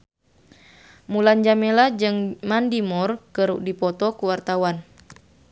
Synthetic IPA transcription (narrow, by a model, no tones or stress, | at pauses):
muland͡ʒamelad͡ʒɨŋmandimɔrkərdipɔt̪ɔkuwart̪awan